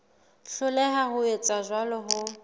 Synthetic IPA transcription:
ɬʊlɛɦaɦʊet͡sʼazʷwalɔɦʊ

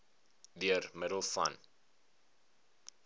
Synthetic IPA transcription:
diərmədəlˠfɐ̰n

